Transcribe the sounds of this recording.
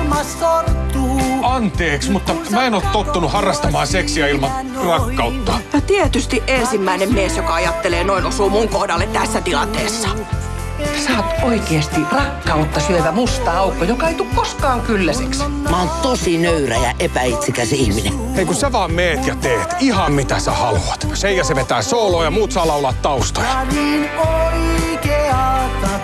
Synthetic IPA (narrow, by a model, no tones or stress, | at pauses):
ɑnt̪eːksmut̪ːɑmæenoːt̪t̪ot̪ːunuhɑrːɑst̪ɑmɑːseksiæilmɑn | rɑkːɑut̪ːɑjɑt̪iet̪yst̪iʔʔensimːæinemmiesjokɑɑjɑt̪ːeleːnoinosuːmuŋkohdɑlːet̪t̪æsːæt̪ilɑnt̪eːsːɑ̥ | et̪ːæsɑːt̪oikest̪irɑkːɑut̪ːɑsyøʋæmust̪ɑːɑukːojokɑeit̪ukkoskɑːŋkylːæsḛks | mæont̪osinøyræjæʔepæit̪sikæsihmine | eikuseʋɑːmmeːt̪jɑt̪eːt̪ihɑmmit̪æsæ̰hɑlṵɑt̪sejɑseʋet̪æːsoːloːjɑmuːt̪sɑːlɑulɑːt̪t̪ɑust̪ojɑninoikeɑt̪